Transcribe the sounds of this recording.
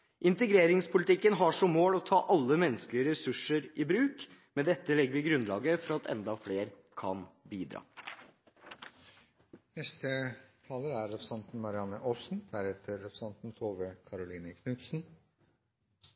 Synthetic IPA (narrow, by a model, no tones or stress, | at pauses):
ʔɪnt̪əɡɾeːɾɪŋspʊlɪt̪ɪkːənɦɑʂɔmːoːlɔt̪ʰɑ̰ːʔɑlːəmɛnːəsklɪəɾɛsʉʂəɾɪbɾʉːk | mɛd̪ɛt̪ːəlɛɡəʋɪːɡɾʉnlɑ̰ːɡəfɔɾɑt̪ʰɛ̰nd̪ɑfleːɾ | kʰɑ̰nbiːd̪ɾɑ̰ː | nɛst̪ət̪ʰɑːləæɾːɛpɾəsɑnt̪n̩mɑɾɪɑnəʔoːsn̩d̪̥æɾheːt̪ʰəɾːɛpsɑnt̪n̩t̪ʰoːʋəkʰɑɾʊliːnəkʰnʉːk̪sn̩